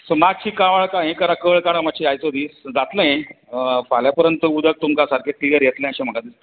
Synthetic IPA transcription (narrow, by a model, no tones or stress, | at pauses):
səmad͡ʑɕʰiːkaʋaɭkaɦẽkəɾakəɭkaɽ̃amaɕʰiajt̪od̪iːsd͡zat̪ləɦẽ | əfaljapəɾjənt̪əud̪ʱək̚t̪umkasaɾkʰeʈiəɾjet̪lə̃j̃əɕẽm̤əkad̪is